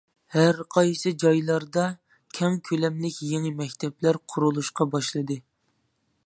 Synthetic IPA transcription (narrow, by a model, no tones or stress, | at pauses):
hæɾqʰɑjsɨd͡ʒɑjlˠɑɾd̪ɑ | kʲʰɛŋkʲʰølɛmlɪkʲjeŋɪmɛkʲt̪ʰɛplæɾqʰʊɾulˠuʃqɑbɑʃlˠɨd̪ɨ